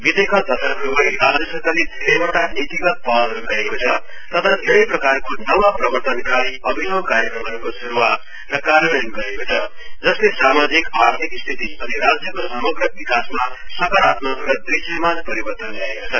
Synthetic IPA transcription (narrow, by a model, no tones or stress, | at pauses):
bit̪ekat̪ʌt̪ʰʌkɾubajrad͡zjʌsʌkalid̪ʱeɾʌjboʈanit̪iɡʌt̪̚palɦʌɾuɡʌɾekot͡sʰʌ | t̪ʌt̪ʰad̪ʱeɾʌjprʌkarkonʌwʌprʌbʌrt̪ʌnkaiʌbʱinʌwkaɾjʌkrʌmʌnkosuɾuwat̪ | rʌkaɾʌnʌnɡʌɾekot͡sʰʌ | d͡zʌslesamad͡zikaɾt̪ʰikst̪ʰit̪iʌniɾad͡zjʌkosʌmʌɡrʌbikasmasʌkʌɾat̪mʌkɾʌd̪isʌmanpʌɾibʌrt̪ʌnɡʌɾekot͡sʰʌ